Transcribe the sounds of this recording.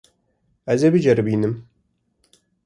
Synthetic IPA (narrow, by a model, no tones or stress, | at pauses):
æzebɨd͡ʒɛɾɨbiːnɨm